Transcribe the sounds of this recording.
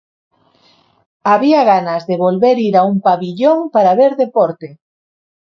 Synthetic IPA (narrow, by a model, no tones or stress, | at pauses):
aβiaɣanazðeβolβeɾiɾaumpaβiʎoŋpaɾaβeɾðepɔɾt̪e